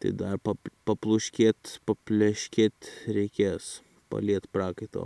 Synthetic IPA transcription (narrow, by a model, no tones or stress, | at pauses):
t̪ɐ̰ɪd̪ɐrpɐpɐplˠʊʃʲkʲeːt̪ʲpɐpʲlʲɛʃʲkʲeːt̪ʲɾʲɛɪkʲeːs | pɐ̰lʲiɛt̪pɾɑːkɐɪt̪o̰ː